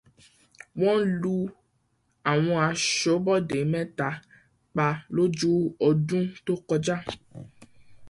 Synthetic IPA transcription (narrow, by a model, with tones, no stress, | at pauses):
wɔ̃˦lu˧ | a˨w̃ɔ̃˧a˨ʃɔ˨˦bɔ˦de˨˦mɛ̃˦ta˨˦ | k͡pa˧lo˦d͡ʒo˦ɔ˧dũ˦t̪o˦kɔ˧d͡ʒa˦